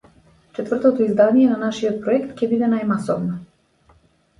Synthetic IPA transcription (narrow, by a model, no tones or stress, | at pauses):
t͡ʃɛt̪vr̩t̪ɔt̪ɔizd̪anijɛnanaʃiɔt̪̚pɾɔɛkt̪cʲɛbid̪ɛnajmasɔ̰vnɔ